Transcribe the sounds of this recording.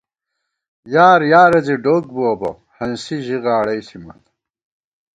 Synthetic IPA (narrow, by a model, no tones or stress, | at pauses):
jaːɾjaːɾɐziɖoːk̚buɐbɐ̰ | hɐnsiʑiɣaːɽɐjsimɐ̰t̪